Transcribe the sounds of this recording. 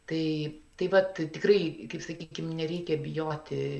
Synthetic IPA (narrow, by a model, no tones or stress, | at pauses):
t̪ɐɪt̪ɐɪʋɐt̪t̪ʲɪkrɐɪkɐɪpsɐkʲiːkʲɪmnʲɛɾʲɛɪkʲɛbʲɪjoːt̪ʲɪ